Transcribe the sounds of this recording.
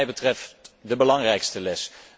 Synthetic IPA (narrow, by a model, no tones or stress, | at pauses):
jbətrɛftdəbəlɑŋrɛjkstəlɛs